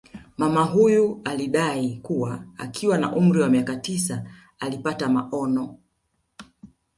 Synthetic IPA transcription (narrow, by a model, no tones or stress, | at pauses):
mamaɦujualiɗaikuwaa̰kʰiwana̰ʔum̩ɾiwamiakatisa | alipatamaʔɔnɔ